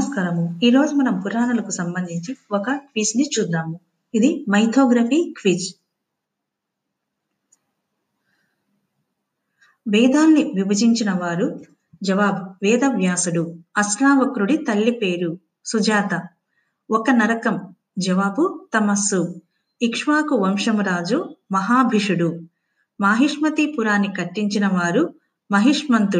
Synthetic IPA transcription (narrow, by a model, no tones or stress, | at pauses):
skɐɾɐmuiːɾo̞ːd͡ʒumɐnɐmpuɾaːɳɐlɐkusɐmbɐnd̪ʱiɲt͡ʃiɔkɐkʋiːsnit͡ʃuːd̪ːaːmu | id̪imɐjt̪ʰoːɡɾɐpikʋiːt͡ʃ | ʋɛːd̪aːnːiʋibɐd͡ʒiɲt͡ʃinɐʋaːɾu | d͡ʒɐʋaːbuʋɛːd̪ɐʋjaːsuɽuɐsnaːʋɐkɾuɽit̪ɐlːipeːɾu | sud͡ʒaːt̪ɐ | ɔkɐnɐɾɐkɐm | d͡ʒɐʋaːbut̪ɐmɐsːu | ikʂʋaːkuʋɐmʂɐmɐɾaːd͡ʒumɐɦaːbʱiʂuɽu | maːɦiʂmɐt̪ipuɾaːnːikɐʈːiɲt͡ʃinɐʋaːɾu | mɐɦiʂmɐnt̪u